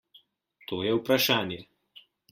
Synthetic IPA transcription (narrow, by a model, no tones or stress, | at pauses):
t̪oːjɛwpɾaʃaːnjɛ